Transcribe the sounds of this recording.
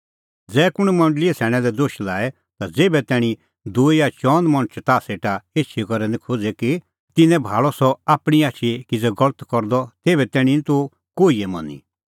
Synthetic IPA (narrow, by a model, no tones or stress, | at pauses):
d͡zɛːkʊɽ̃mɐ̃ɳɖliɛsʰɛːɽ̃ɛ̃lɛd̪oːʃlaːɛ | t̪ad͡zeːbɛt̪ɛːɽ̃i | d̪uːijat͡ʃɔ̃ːnd̪mɐ̃ɽ̃t͡ʃt̪aːseːʈaeːt͡ʃʰikɔɾɛnĩkʰoːd͡zɛki | t̪ɪnɛ̃bʱaːɭɔsɔaːpɽ̃iaːt͡ʃʰikid͡zɛɡɔlət̪kɔɾd̪ɔt̪eːbɛt̪ɛːɽ̃init̪o | koːiɛmɐ̰̃nḭ